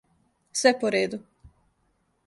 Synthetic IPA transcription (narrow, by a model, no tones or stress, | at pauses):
sɛpoɾeːd̪u